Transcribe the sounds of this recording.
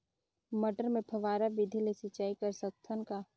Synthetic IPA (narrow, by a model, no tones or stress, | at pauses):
məʈəɾmẽpʰəʋaːɾabid̪ʱilesɪt͡ʃaːikɐɾsək̚t̪ʰənka